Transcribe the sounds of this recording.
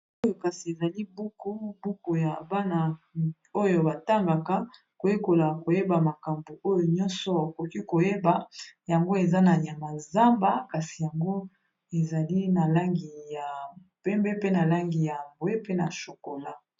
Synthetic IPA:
o˦jo˨ka˨si˨e˨za˨li˦bu˦ku˦bu˦ko˨ja˨ba˦na˨ | o˦jo˨ba˨ta˦ŋɡa˨ka˦ | ko˨je˦ko˨la˨ko˨je˦ba˨ma˨ka˨mbo˨o˦jo˨ɲɔ˦nsɔ˦o˨ko˨ki˦ko˨je˦ba˨ja˨ŋɡo˦e˨za˦na˨ja˨ma˨za˦mba˦ka˨si˨ja˨ŋɡo˦ | e˨za˨li˦na˨la˦ŋɡi˨ja˨ | pɛ˦mbɛ˦pe˦na˨la˦ŋɡi˨ja˨mbwe˦pe˦na˨ʃo˨ko˨la˦

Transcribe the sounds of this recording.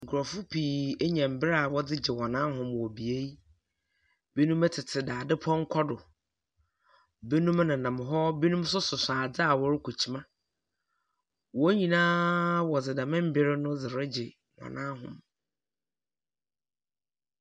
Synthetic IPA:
ŋ̩˨kʰʊ˨ɾɔ˨fʊ˦pʰiː˨e˦ɲɛ̃˨m̩˨bɪ˦ɾa˦˨wɔ˦d͡zɪ˦d͡ʑɪ˨wɔ˨nãː˦ɦʊ̃˨mwɔ˨bi˨e˦i˦ | be˦nũ˦mɛ˦tʰɪ˨tʰɪ˨daː˨dɪ˦pʰɔ̃˦ŋ̩˦kʰɔ˦dʊ˨ | be˦nũ˦m˦nã˨nã˨m˨ɦɔ˦be˦nũ˦msʊ˦sʊ˨saː˨d͡zɪ˦a˨wɔ˦ɾɪ˦kʰu˨t͡ɕʰi˦mã˦ | wɔ˦ɲĩ˨nãː˦wɔ˨d͡zɪ˨da˨mɪ̃˦m̩˦bɪ˦ɾɪ˦nʊ̃˦d͡zɪ˨ɾɪ˦d͡ʑɪ˨ | wɔ̰̃˨nã˦ɦʊ̰̃˨m

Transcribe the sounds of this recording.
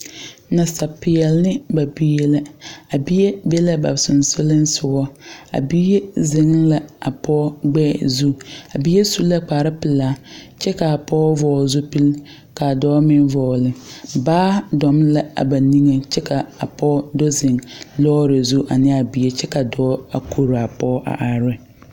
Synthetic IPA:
na˨sa˨pɪ˨ɛ˨lnɪ˦ba˨bi˦e˦la˦a˨bi˦e˦be˦la˦ba̰˨sʊ˨nsʊ˦lɪ˦nsʊ˦ɡɔ˦a̰˨bi˦je˦zɪ˨ŋla˦a˨pɔ˦ɡ͡bɛ˦zu˦a˨bi˦e˦su˦la˦k͡paː˨ɾa˦pɪ˨laː˦t͡ʃɛ˦ka˨a˨pɔː˦vɔː˦zʊ˦pi˦l | ka˨dɔː˦mɪ˦nvɔː˨lɪ˦baː˦dɔ˨m˦la˦a̰˨ba˨ni˦ŋe˨t͡ʃɛ˦ka˨a˨pɔː˦dɔ˦zɪ˨ŋlɔː˦ɾɪ˨zu˦ʔa˨nɪ˦a˨bi˦e˦t͡ʃɛ˦ka˨dɔː˦a˨kʰo˨ɾa˨pɔ˦ʔa̰˨ʔa˨ɾɪ˦

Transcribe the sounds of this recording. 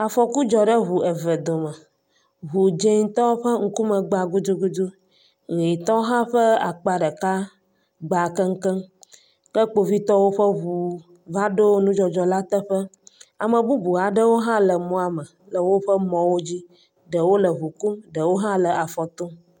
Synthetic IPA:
a˨fɔ˨ku˦d͡ʒɔ˨ɖə˦ɦu˨e˨və˨d̪o˨mə˨ | ɦu˨d͡ʒe˦ŋ˦t̪ɔ˦ɸə˦ŋ̩˦ku˦mə˨ɡ͡ba˨ɡu˦d͡ʒ̪u˦ɡu˦d̪u˦ | ɣi˨t̪ɔ˦ɦã˦ɸə˦a̰˨k͡pa˨ɖə˨ka˦ | ɡ͡ba˨kə˦ŋ̩˦kə˦ŋ | kə˦k͡po˨vi˦t̪ɔ˦wo˦ɸə˦ɦu˨ | va˦ɖo˦wo˦nũ˦d͡ʒɔ˨d͡ʒɔ˨la˦t̪ə˦ɸə˦a˨mə˨bu˦bu˨a˨ɖə˦wo˦ɦã˦lə˨mɔ̃˦a˨mə˨ | lə˨wo˦ɸə˦mɔ̃˨wo˦d͡ʑi˦ | ɖə˨wo˦lə˨ɦu˨ku˦mɖə˨wo˦ɦã˦lə˨a˨fɔ˨t̪o˦

